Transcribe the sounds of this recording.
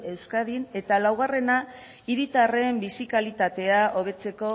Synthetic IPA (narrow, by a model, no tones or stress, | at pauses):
e̞wskaðine̞t̪alawɣ̞are̞na | iɾit̪are̞mbisikalit̪at̪e̞aʔo̞β̞e̞t͡se̞ko̞